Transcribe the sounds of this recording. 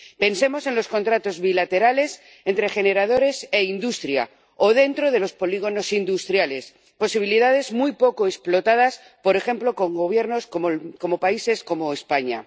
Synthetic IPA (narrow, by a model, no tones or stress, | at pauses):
pe̞nse̞mo̞se̞nlo̞sko̞nt̪ɾat̪o̞zβilat̪e̞ɾale̞s | e̞nt̪ɾe̞χe̞ne̞ɾað̞o̞ɾe̞se̞ind̪ust̪ɾja̰ | o̞ð̞e̞nt̪ɾo̞ðe̞lo̞spo̞liɣ̞o̞no̞sind̪ust̪ɾjale̞s | po̞siβ̞iliðað̞e̞zmujpo̞ko̞esplo̞t̪að̞as | po̞ɾe̞xe̞mplo̞ko̞ŋɡo̞β̞je̞ɾno̞skoko̞mo̞paise̞sko̞mo̞espaɲa̰